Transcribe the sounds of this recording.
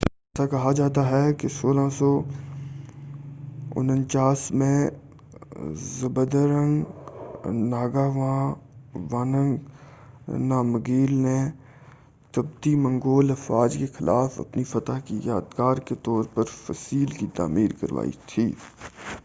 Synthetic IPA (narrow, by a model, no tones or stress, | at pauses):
ɛːsakɐɦad͡ʒaːt̪aɦɛkesoːlãsɔ | ʊ̰nə̃nt͡ʃaːsmẽ | zɐbəd̪əɾə̃ŋɡ | naːɡaːʋãːʋaːnə̃ŋɡ | naːməɡiːlne | t̪ɐb̚d̪imɐ̃ŋɡoːləfaːd͡ʒkexɪlʔaːfɐ̰pnifɐt̪aɦkija̰ːd̪ɡaːɾket̪ɔːɾpɐɾfəsiːlkit̪a̰ːmiːɾkɐ̰ɾʋa̰ːḭt̪ʰḭː